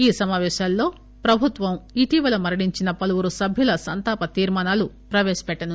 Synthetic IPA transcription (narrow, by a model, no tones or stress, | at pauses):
iːsɐmaːʋɛːʃaːlːo̞ː | pɾɐbʱut̪ʋɐmiʈiːʋɐlɐmɐɾɐɽiɲt͡ʃinɐpɐlɐʋuɾusɐbʱjulɐsɐnt̪aːpɐt̪iːɾmaːnaːlu | pɾɐʋɛːʃɐ̥pɛʈːɐnu